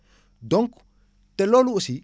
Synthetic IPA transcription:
d̪ɔŋk | t̪ɛloluusi

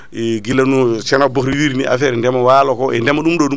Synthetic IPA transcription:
ɡilanusenabokɾiwiɾniʔa̰feɾndɛmawaːlokoʔɛndemaɗumɗoɗu

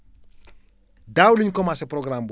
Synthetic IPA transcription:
daːwuliɲkɔmasɛpɾɔɡɾamb

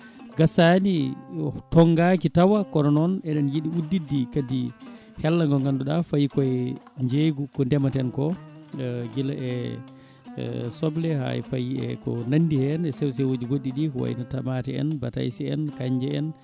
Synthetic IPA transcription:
ɡasani | tɔŋɡakitawakɔɾɔnɔnɛɗɛnjiɗiudːidːikadi | hɛlːaŋɡɔŋɡanduɗafajikɔɛɲd͡ʒeɡukɔndɛmatɛnkɔ | ɡilaʔɛ | sɔblɛha̰ɛ̰fajiɛ̰kɔ̰nandihɛnɛsɛws̬ɛwod͡ʒiɡoɗːiɗikɔwa̰ḭnatamatɛɛ̰nbata̰jsiɛ̰nkaɲd͡ʒɛɛ̰n

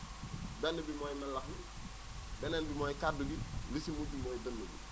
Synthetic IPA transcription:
bɛnːəbimɔːjnɐlɐkmi | bɛnɛnbimɔːjkaduɡilisimubimɔːjdɐnːuɡḭ

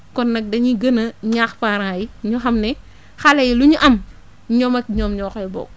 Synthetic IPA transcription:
kɔnːɐk̚dɐɲiɡɐnɐɲaːxfaɾaŋjiɲuxɐmnɛ | xɐlɐjiluɲuʔɐm | ɲɔmɐkɲɔːmɲɔːxɐjbɔ̰ːɡ̚

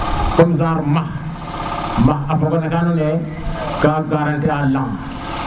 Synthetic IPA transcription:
komzaɾmah | mahapokonekanone | kaɡaɾantialaŋ

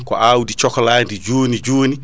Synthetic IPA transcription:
kɔ̰ʔawudit͡ʃɔkɔlandid͡ʒuːnid͡ʒuːni

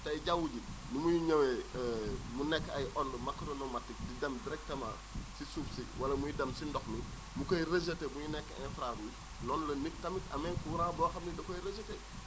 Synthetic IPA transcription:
tɐjɟawuɟi | numujiɲɐwe | munɛkːɐjʔɔndəmakːoɾonomatik̚didɐmdiɾɛk̚tɐma̰ | sisuːfsiwɐlɐmujidɐmsindɔxmi | mukoiɾes̬etemujinɛkːẽnfɾaɾu | nɔnlɐnik̚tɐmitɐ̰mɛkuɾãːboːxɐmnidɐkojɾesete

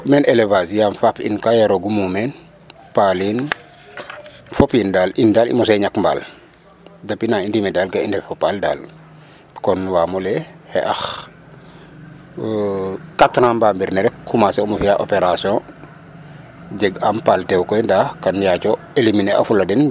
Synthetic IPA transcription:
mɛːnelevasijamfapḭnkajaɾoɡumumɛn | palin | fɔpindaːlʔindaːlḭmɔsɛɲakmba̰ːl | dɐpinaindimɛdaːlkaindɛfɔpalda̰ːl | kɔnwaːmɔlɛhɛ̰ʔax | katɾãːmbambiɾnɛɾɛkkʰumasɛɔmufijaʔo̰peɾasjɔ̃ | ɟɛɡampaːltɛwkɔjndakanjacɔ | eliminɛa̰fulɐdɛn

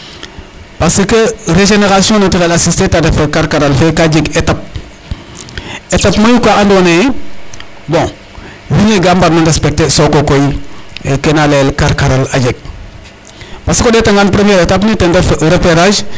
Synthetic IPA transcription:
pasəkɐɾeʒeneɾasiõnatikalasistetadefekaɾkaɾalfekaɟiɡetap̚ | etapmajukaandone | bɔ̃ | wiɲeɡambaɾnandespek̚tesokokojiekenalelkaɾkaɾala̰ɟeɡ̚ | paskodetaŋɡanpɾemeːɾetap̬nitendefɾepeɾaʒ

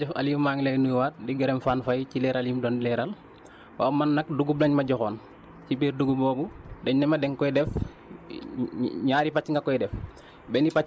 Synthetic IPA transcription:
ɛfa̰limmaːŋlejnujwaːt̚diɡɛɾɛmfaːnfajcilɛːɾaliːmdɔndilɛːɾɐl | waːwmɐnːɐk̚duɡublɐɲmɐɟɔxɔːn | cibiːɾduɡubɔːbudɛɲnɛmɐdɛŋkɔjdɛf | ɲaːɾipacːŋɡɐkɔjdɛf | bɛnipa

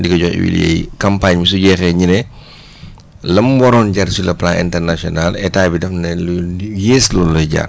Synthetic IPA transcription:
dikɐɟɔnḭwḭljɛ̰jkampaɲmis̬uɟɛːxɛɲinɛ | lɐmbɔɾɔnɟaɾsilɐplãʔɛ̰ntɛɾnasiɔnalɛtaːjbidɐfnɛljeːslɔːlːɔjɟa̰ː

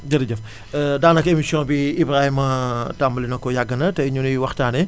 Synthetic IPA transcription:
d͡ʒɐɾɐɟɐf | daːnɐkemisjɔ̃biibɾahimɐtamɐlinɐkːɔjaɡːɐnɐtɛɲunijwɐxtaːnɛ

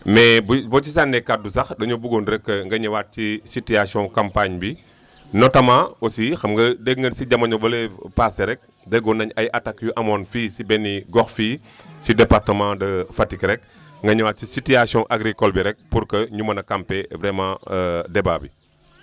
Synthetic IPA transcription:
mɛbbɔcisandɛkat̚dusɐxdɐɲubuɡonɾɛkːəŋɡɐɲɐwat̚cisitiasiɔ̃kampaɲbi | nɔtɐmaosixɐmɡɐdəɡŋɡənsiɟɐmɐɲɔbɐlepasɛɾɛk̚ | dɐɡɔnɐɲɐjʔɐtakːjuʔɐmɔnfiːsibɛnːiɡɔxfiː | sidɛpaɾtəmãdɐfatikɾɛk̚ | ŋɡɐɲuwaːt̚cisitiasjɔ̃ʔaɡɾikɔlbiɾɛk̚puɾkəɲumɐnɐkampɛvɾɛmãdɛba̰bḭ

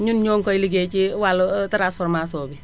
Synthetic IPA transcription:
ɲunɲɔŋkɔjliɡet͡ʃiwaltɾasfɔɾmas̬ɔbi

